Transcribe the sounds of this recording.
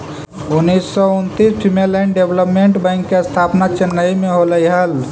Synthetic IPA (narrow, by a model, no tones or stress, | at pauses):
unːisːɔunt̪ispʰimelajnɖebləpmeɳʈbə̃ŋkːest̪ʰapnat͡ʃənːəimeɦoləjɦəl